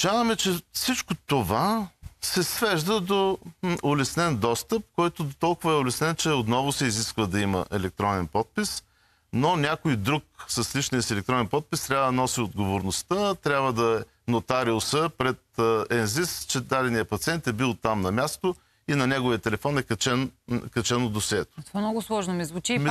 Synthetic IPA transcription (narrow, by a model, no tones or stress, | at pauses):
t͡ʃavəmɛt͡ʃɛfsit͡ʃkot̪ovasɛsvɛʒd̪əd̪oolɛsnɛnd̪ɔst̪əp̚kɔjt̪ʊt̪ɔlˠkʊvɐɛolɛsnɛnt͡ʃɛot̪nɔvʊsɛiziskvəd̪ɐimə̰ʔɛlɛk̚t̪ɾɔnɛnpɔt̪̚pis | nonʲakoid̪ɾuk̚sɐslit͡ʃnijəsɛlɛk̚t̪ɾɔnɛnpɔt̪̚pist̪ɾʲabvəd̪ɐnɔsiod̪ɡovoɾnost̪ət̪ɾʲjabvəd̪ɐɛ | not̪aɾilˠsəpɾɛt̪ɛnzist͡ʃɛd̪ad̪ɛnijəpɐt̪sʲiɛnt̪ɛbilˠt̪amnɐmʲast̪o | inɐnʲɛɡovijət̪ɛlɛfɔnɛkɐt͡ʃɛnkɐt͡ʃɛnod̪osʲiɛt̪o̥t̪vamnɔɡʊslˠɔʒnomizvʊt͡ʃi